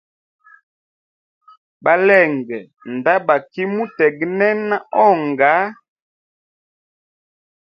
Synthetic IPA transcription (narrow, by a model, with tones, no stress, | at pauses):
ba˨lɛ˦˨ŋɡɛ˨ | nda˦ba˨ki˦mu˦tɛ˨ɡnɛ˦na˨ɔ˦˨ŋɡa˨˦